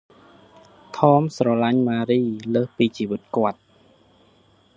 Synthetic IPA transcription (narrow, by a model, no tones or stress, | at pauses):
t̪ʰɔːmsrɑlaɲmaːɾiːləːhpiːt͡ɕiːʋɨt̪̚kŏət̪̚